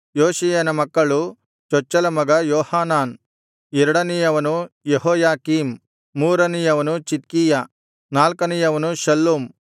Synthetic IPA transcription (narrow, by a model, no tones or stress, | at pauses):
joːʃijɐnɐmɐkːɐɭu | t͡ʃɔt͡ʃːɐlɐmɐɡɐjɔːhaːnaːn | ɛɾɐɽɐnijɐʋɐnujeɦɔːjaːkiːmː | uːɾɐnijɐʋɐnut͡ʃit̪̚kiːjɐ | naːlkɐnijɐʋɐnuʃɐlːoːm